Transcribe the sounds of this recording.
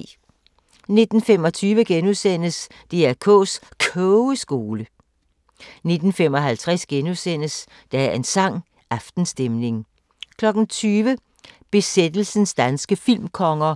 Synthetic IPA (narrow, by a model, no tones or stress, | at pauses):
ne̝d̥n̩femɒ̽t͡sʰyːʋəɡ̥enuðˠsen̰əs | d̥e̝æɐkʰɔ̰ːskʰœʊəsɡ̥o̝ːlə | ne̝d̥n̩femɒ̽ɦælt͡sʰʁasɡ̥enusen̰əs | d̥ææɐe̝nsɑ̈ŋ̰ | ɑfd̥n̩sd̥emne̝ŋ | kʰlɒ̽ɡ̥n̩t͡sʰyːʋə | b̥e̝sed̥l̩sn̩sd̥ænsɡ̥əfil̰mkʰɒ̽ŋɐ